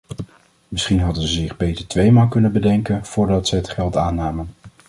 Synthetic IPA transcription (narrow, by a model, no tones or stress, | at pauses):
mɪsχinɦɑdənzəzɪχbejtəɹtʋejmaːlˠkɵnənbədɛŋkənv̥ʊːɹdɑtsəɦətχɛlˠtaːnaːmən